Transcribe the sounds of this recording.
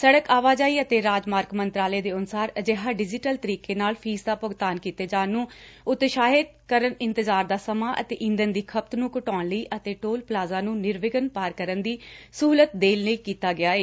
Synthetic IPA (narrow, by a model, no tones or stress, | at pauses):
səɽəkaːʋaːd͡ʒaːiːət̪eːɾaːd͡ʒmaːɾkmənt̪ɾaːleːd̪eːʊnʊsaːɾəd͡ʒeːɦaːɖɪd͡ʒɪʈəlt̪əɾiːkeːnaːlpʰiːsd̪aːpʊɡt̪aːnkiːt̪eːd͡ʒaːnːũːʊt̪ʃaːɦɪd̪kəɾənɪ̃nt̪əzaːɾd̪aːsəmaːʔə̰t̪ḛːʔɪ̃nd̪ənd̪iːkʰəp̚t̪nũːkʊʈɔːnləiːʔət̪eːʈoːlplaːzãːnũːnɪɾʋɪɡənpaːɾkəɾənd̪iːsuːlət̪̚d̪eːlnəiːkiːt̪aːɡɪaːeː